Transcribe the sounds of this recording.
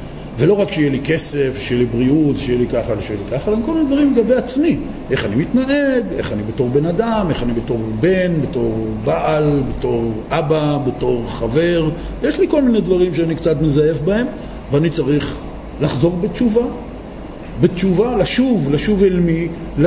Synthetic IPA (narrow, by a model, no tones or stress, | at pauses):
velo̞ʁakʃejelike̞sefʃejlibʁiutʃejelikaχalʃejelikaχalemkolmined̪vaʁimleɡabejat͡smi | ʔe̞χanimitnaʔe̞ɡe̞̰χanibeto̞ʁbe̞nadame̞χanibeto̞ʁbe̞nbeto̞ʁbaʔalbeto̞ʁʔababeto̞ʁχave̞ʁ | jeʃliko̞lminedvaʁimʃeanikt͡sat̪mezaje̞fbae̞m | veanit͡saʁiχ | laχzo̞vbet͡ʃuva | bet͡ʃuvalaʃuvlaʃuvelmi | l